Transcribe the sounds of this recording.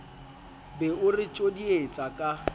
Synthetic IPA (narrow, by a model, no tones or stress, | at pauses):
bɛʊrɪt͡ʃʼodiet͡sʼakʼa